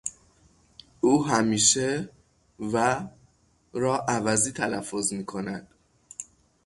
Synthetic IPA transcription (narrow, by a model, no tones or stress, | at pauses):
ʔuːɦæmiːʃe | væ | ɾɒːʔævæziːt̪ʰælæfːozmiːkʰo̞næd̪̥